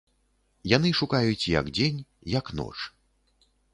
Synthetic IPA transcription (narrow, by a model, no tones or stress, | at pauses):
janɨʂukajut͡sʲjɐ̰kd͡zʲenʲ | jɐknɔ̰t͡ʂ